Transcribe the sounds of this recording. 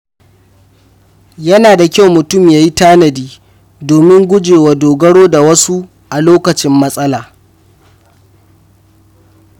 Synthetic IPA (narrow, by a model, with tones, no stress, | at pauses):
jɐ˦naː˨da˨kʲa˦˨wmʊ˨tʊ˦˨mjaː˦ji˦taː˦nɐ˨diː˦ | doː˨mɪ˦ŋɡʷʊ˦d͡ʒeː˨wa˨doː˨ɡɐ˦ɽoː˦da˨wɐ˦su˦ | ʔa˨loː˦kɐ˨t͡ʃɪ˦mːɐ˦sʼɐ˦laː˨